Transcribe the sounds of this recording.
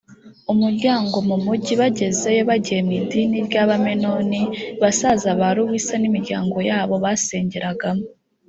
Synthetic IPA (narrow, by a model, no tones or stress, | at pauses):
umuɾɟaːŋɡo̞mumuɟiβaɟe̞ze̞joβaɟijemidinibɟaβameno̞niβasazaβaɾuwisanimiɾɟaːŋɡo̞jaːβo̞βaseːɲɟeɾaɡamo